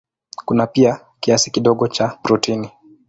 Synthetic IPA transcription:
kunapia | kiasi̥kiɗɔɠɔt͡ʃapɾutini

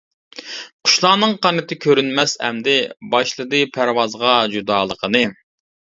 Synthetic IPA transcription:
qʰʊ̥ʃlˠɑːnɨŋqɑnɨt̪ʰɨkʲʰøɾynmɛshɛ̰md̪ɪbɑʃlˠɨd̪ɨpʰæɾwɑzʁɑd͡ʒud̪ɑːlˠəqʰənɨ

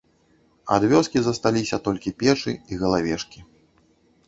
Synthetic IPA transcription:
a̰d̪vʲɔskʲizɐst̪alʲisʲɐt̪ɔlʲkʲipʲɛt͡ʂɨiɣɐlˠavʲɛʂkʲi

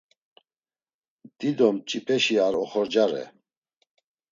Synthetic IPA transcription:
d̪̥id̪ɔmt͡ʃʼipʼɛʃiaɾɔχɔɾd͡ʒaɾɛ̰

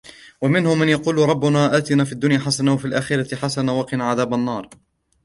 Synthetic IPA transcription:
wamɪnhʊmːanjɑquːlɾˤɑbːʊnaːʔaːt̪ɪnaːfiad̪ːʊnjaːħasanawafiːlʔaːxɪɾat̪ɪħasanawɑqɪnaʕaðaːbanːɑːɾˤ

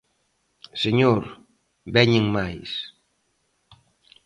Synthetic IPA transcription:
seɲoɾ | bɛɲɪŋmajs

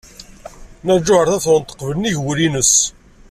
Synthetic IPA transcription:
næd͡ʒːʊʕəɾθæθont̪ːə̥qːvəlniʝwɾinəs

